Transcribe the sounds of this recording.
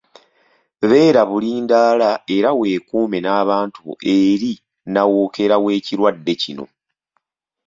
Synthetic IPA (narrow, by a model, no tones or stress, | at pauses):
βe̞ːɾaβuliːndaːlae̞ɾawe̞ːkuːme̞naːβaːntṵe̞ɾi | nawoːke̞ɾawe̞ːciɾwadːe̞cino̞̰